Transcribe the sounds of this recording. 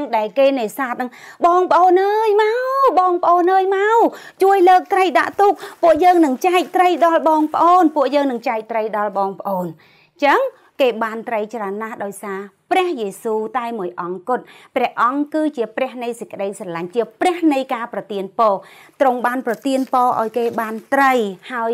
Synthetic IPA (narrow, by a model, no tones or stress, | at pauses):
ŋɗaɛlkeːneːsaːt̪̚nɨŋɓɑːŋpə̆ʔoːnʔəːjmawɓɑːŋpə̆ʔoːnʔəːjmawt͡ɕuəjləːk̚t̪rəjɗa̰ʔt̪uːk̚pŭəʔjəːŋnɨŋt͡ɕaɛk̚t̪rəjɗɑlɓɑːŋpə̆ʔoːnpuəʔjəːŋnɨŋt͡ɕaɛk̚t̪rəjɗɑlɓɑːŋpə̆ʔoːn | t͡ɕəŋ | keːɓaːnt̪rəjt͡ɕraənːahɗaɔjsaːprɛ̆əhjeːsuːt̪aɛmuəjʔɑŋkʊt̪̚prɛ̆əhʔɑŋkɨːt͡ɕiəprɛ̆əhnɨjsəc̚kə̆ɗəjsɑlaɲt͡ɕiəprɛ̆əhnɨjkaːprɑt̪iənpɔːt̪roŋɓaːnprɑt̪iənpɑːʔa̰ɔjkeːɓaːnt̪rəjhaəj